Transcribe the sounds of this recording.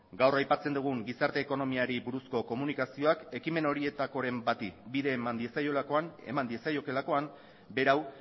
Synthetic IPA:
ɡawrajpat͡se̞nd̪uɣuŋɡisaɾt̪e̞ːko̞no̞miaɾibuɾusko̞ko̞munikasio̞ake̞kime̞no̞ɾie̞t̪ako̞ɾe̞mbat̪ibiðe̞ːmand̪iesajolakoane̞̰mand̪iesajo̞ke̞lako̞am | be̞ɾaw

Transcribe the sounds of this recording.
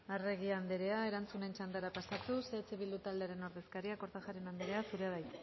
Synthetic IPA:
are̞ɣiand̪eɾe̞ae̞ɾant͡sune̞nt͡ʃand̪aɾapasat̪useːt͡seβild̪ut̪ald̪e̞aɾe̞no̞ɾðe̞skaɾiako̞ɾt̪axaɾe̞nand̪eɾe̞asuɾeaðaj

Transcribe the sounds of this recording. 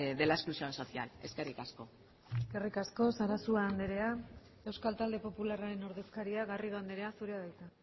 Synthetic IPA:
ðe̞laesklusio̞nso̞θia̰le̞skerikasko̞ | eske̞rikasko̞saɾasuaːnd̪eɾe̞a | e̞wskalt̪ald̪e̞po̞pularaɾe̞no̞ɾðe̞skaɾiaɣariðoand̪eɾe̞asuɾeaβajt̪a

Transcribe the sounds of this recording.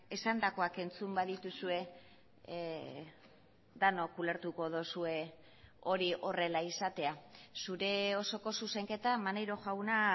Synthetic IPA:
e̞sand̪ako̞ake̞nt͡sumbaðit̪usue̞ | d̪ano̞kule̞ɾt̪uko̞ðosue̞ | o̞ɾiʔo̞re̞laisat̪e̞asuɾe̞o̞so̞ko̞suse̞ŋke̞t̪amanejɾo̞ʝawna

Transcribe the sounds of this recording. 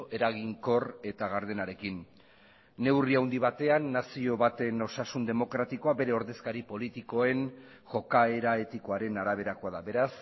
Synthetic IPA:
ʔe̞ɾaɣiŋko̞re̞t̪aɣaɾðenaɾe̞kinː | e̞wriawnd̪iβat̪e̞anːasio̞βat̪e̞no̞sasund̪e̞mo̞kɾat̪iko̞abe̞ɾe̞o̞ɾðe̞skaɾipo̞lit̪iko̞e̞n | ʝo̞kae̞ɾae̞t̪ikoaɾe̞naɾaβ̞e̞ɾako̞aðabe̞ɾas

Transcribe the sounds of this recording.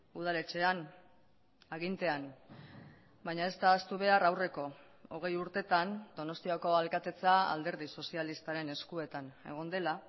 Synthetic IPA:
uð̞ale̞t͡ʃe̞an | aɣ̞int̪e̞an | bajɲae̞st̪aːst̪uβ̞e̞arawre̞ko̞ | o̞ɣ̞e̞juɾt̪e̞t̪and̪o̞no̞st̪iako̞alkat̪e̞t͡saa̰ld̪e̞ɾðiso̞sialist̪aɾe̞ne̞skue̞t̪ane̞̰ɣ̞o̞nd̪e̞la

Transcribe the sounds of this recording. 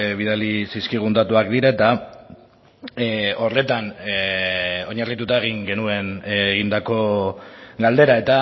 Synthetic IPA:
βiðalisiskiɣ̞unt̪at̪uakd̪iɾaet̪a | o̞re̞t̪an | o̞ɲarit̪ut̪aeɣ̞iŋɡe̞nue̞nːɣind̪ako̞ | ɡald̪e̞ɾae̞t̪a

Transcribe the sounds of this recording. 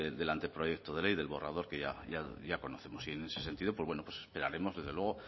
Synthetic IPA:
ed̪e̞lant̪epɾo̞je̞k̚t̪oðe̞le̞jðe̞lβo̞ra̰ð̞o̞ɾkeʝa̰ʝaʝako̞noθe̞mo̞siene̞sese̞nt̪iðopwβwe̞nopwesespe̞ɾaɾe̞mo̞zðe̞zðe̞lwe̞ɣo̞

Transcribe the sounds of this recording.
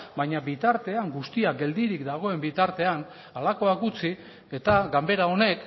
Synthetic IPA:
baɲabit̪aɾt̪e̞aŋɡust̪iaɡe̞ld̪iɾikd̪aɣ̞o̞e̞mbit̪aɾt̪e̞an | alako̞akɡut͡si | e̞t̪aɡambe̞ɾao̞ne̞k

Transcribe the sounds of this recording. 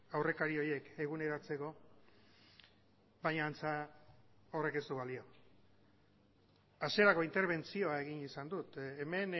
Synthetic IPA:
awre̞kaɾio̞je̞ke̞ɣ̞une̞ɾat͡se̞ko̞ | βajɲaːnt͡sa | ore̞ke̞st̪uβalio̞ | aseɾako̞int̪e̞ɾβ̞e̞nt͡sio̞ae̞ɣinisand̪ut̪eme̞n

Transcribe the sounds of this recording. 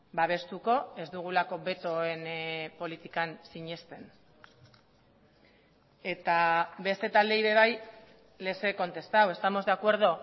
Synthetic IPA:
baβ̞e̞st̪uko̞e̞zd̪uɣ̞ulako̞βe̞t̪o̞e̞npo̞lit̪ikansiɲe̞st̪e̞n | e̞t̪aβe̞st̪e̞t̪ald̪e̞iβe̞β̞aj | le̞se̞ko̞nt̪e̞st̪awe̞st̪amo̞zdeakwe̞ɾð̞o̞

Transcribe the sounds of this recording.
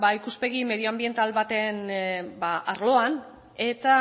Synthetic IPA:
baikuspe̞ɣime̞ðioambie̞nt̪alβat̪e̞nbaʔaɾlo̞an | e̞t̪a

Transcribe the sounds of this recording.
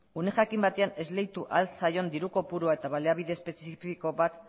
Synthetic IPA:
une̞xakimbat̪e̞ane̞zle̞jt̪uʔalsajo̞nd̪iɾuko̞puɾuae̞t̪aβale̞aβiðe̞ːspe̞siffiko̞βat̪

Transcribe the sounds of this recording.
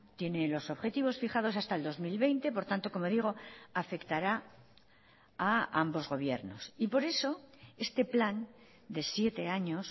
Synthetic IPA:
t̪je̞ne̞lo̞so̞βxe̞t̪iβo̞sfiχað̞o̞sast̪aeld̪o̞zmilβe̞jnt̪e̞po̞ɾt̪ant̪o̞ko̞mo̞ðiɣ̞o̞afe̞kt̪aɾa | aa̰mbo̞zɣo̞β̞je̞ɾno̞̰sipo̞ɾe̞so̞e̞st̪e̞plan | d̪e̞sje̞t̪e̞aɲo̞s

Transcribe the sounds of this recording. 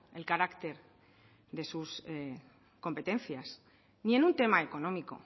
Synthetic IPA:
e̞lkaɾakt̪e̞ɾ | ðe̞sus | ko̞mpe̞t̪ẽ̞nθjas | nie̞nunt̪e̞mae̞ko̞nõ̞miko̞̰

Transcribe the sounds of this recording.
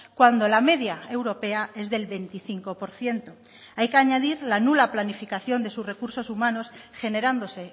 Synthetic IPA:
kwand̪o̞lame̞ðjae̞wɾo̞pe̞ae̞zðe̞lβe̞nt̪iθiŋko̞po̞ɾθje̞nt̪o̞ | ajkeaɲaðiɾlanulaplanifikaθjo̞nd̪e̞susre̞kuɾso̞sumãno̞sxe̞ne̞ɾand̪o̞se̞

